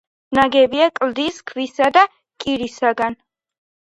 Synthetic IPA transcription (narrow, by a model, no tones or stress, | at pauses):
naɡɛbiakʼld̪iskʰvisad̪a | kʼiɾisaɡan